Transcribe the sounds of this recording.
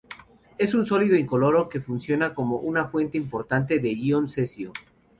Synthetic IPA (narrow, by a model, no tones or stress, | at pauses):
e̞sunso̞liðoiŋko̞lo̞ɾo̞ke̞funsjo̞nako̞mo̞ʔunafwe̞nt̪eimpo̞ɾt̪ant̪̬e̞ðe̞ɣionse̞sjo